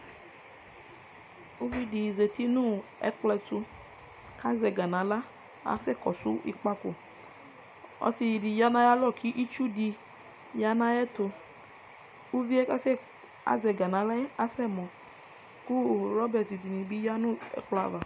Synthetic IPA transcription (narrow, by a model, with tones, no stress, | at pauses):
u˦vi˦di˨ze˨t̪i˦nũ˦ɛ̰˦k͡plɛ˧tu˧ | kʰa˦zɛ˨ɡa˨nã˨˦la˦ | a̰˦fɛ˦˨kɔ˨su˦ʔḭ˦k͡pa˦ko̰˨ | ɔ̰˦si˧˨di˨ja˦nã˦ja˦lɔ˦˨kʰi˦ʔi˦t͡ʃu˦di˧ | ja˧nã˦jɛ˦to˧ | u˦vi˦ɛ˦ka˦fɛ˦ | a̰˦zɛ˨ɡa˨nã˨˦la˦a˦sɛ˦mɔ˨ | ku˦ɾɔ˦bɛ˨si˨di˨nĩ˨bi˦ja˦nũ˦ɛ̰˨k͡pla̰˨va˨